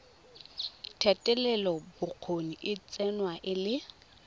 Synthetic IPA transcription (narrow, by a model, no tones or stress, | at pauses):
tʰɛtʼɛlɛlɔbʊq͡χʰoniʔɪt͡sʼɛnwaʔɪlɪ